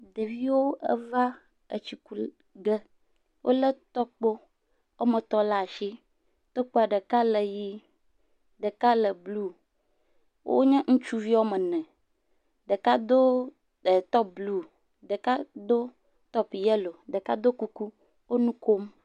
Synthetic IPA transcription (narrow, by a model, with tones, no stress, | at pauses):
de˨vi˦wo˦ə̰˦va˦ | ə˨t͡ɕi˦ku˦ | ɡə˦ | wʔo̰˦lə˦t̪ɔ˦k͡po˦ | wʔo˦mə̃˨t̪ɔ˦la˦˨ʃi˦ | t̪ɔ˦k͡po˦a˨ɖə˨ka˦lə˨ji˦ | ɖə˨ka˦lə˨blu˦ | wo̰˦ɲɛ̃˦ŋũ˦t͡ʃu˦vi˦wo˦mə˨nɛ̃˨ | ɖə˨ka˦d̪o˦ | ə˨t̪ɔ˦p̚blu˦ | ɖə˨ka˦d̪o˦ | t̪ɔ˦pjɛ˦lo˨ɖə˨ka˦d̪o˦ku˦ku˦ | wo˦nũ˦ko˦m